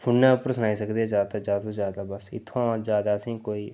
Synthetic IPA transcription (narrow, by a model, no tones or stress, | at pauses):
pʰʊɽnapɾəsənaːisəkd̪iɛd͡ʒaːt̪ad͡ʒaːõd͡ʒjaːd̪abəsɪ̰t̪ʰːõd͡ʒjaːd̪asĩːkoːiː